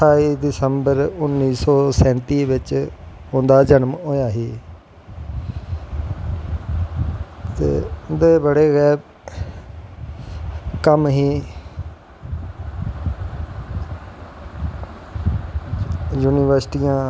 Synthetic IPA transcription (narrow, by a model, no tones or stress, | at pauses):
aːiːd̪ɪsəmbəɾʊnːiːsɔːsɛ̃ːnt̪iːʋɪt͡ʃõːnd̪aːd͡ʒənəmɦoːjaːɦiː | t̪ḛːʊnd̪eːbəɽeːɣɛːɾ | kəmɦiː | juːniːʋəɾsʈijãː